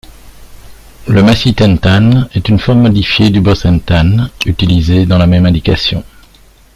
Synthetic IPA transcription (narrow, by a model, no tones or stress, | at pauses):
ləmasit̪ɛ̃nt̪anɛt̪ynfɔʁmːɔd̪ifjed̪ybɔsɛ̃nt̪anyt̪ilized̪ɑ̃lamɛmɛ̃d̪ika̰sjɔ̰̃